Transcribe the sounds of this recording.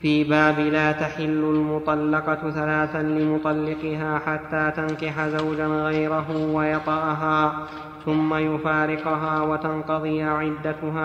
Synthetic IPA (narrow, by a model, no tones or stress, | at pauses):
fiːbaːbɪlaːt̪aħɪlːʊlmʊt̪ˤɑlːɑqɑθalaːθalɪmʊt̪ˤɑlːɪqɪɦaːħat̪ːaːt̪ankɪħazawd͡ʒanɣajɾaɦʊwajɑt̪ˤɑʔɦaː | θʊmːajʊfaːɾɪqʊɦaːwat̪ɑnqɑðˤɨjʕɪd̪ːat̪ʊɦaː